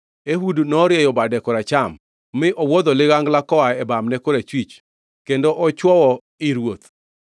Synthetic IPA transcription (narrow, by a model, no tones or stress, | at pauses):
eɦudnɔɾjɛjɔbadɛkɔɾat͡ʃamː | ɪʔɔwod̪ɔlɪɣaŋɡlakɔaɛbamnɛkoɾet͡ʃwit͡ʃ | kendoʔɔt͡ʃwɔwɔ | ɪɾwot̪